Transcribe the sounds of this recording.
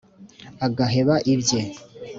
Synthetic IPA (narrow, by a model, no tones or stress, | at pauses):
aɡaɦe̞βaʔibje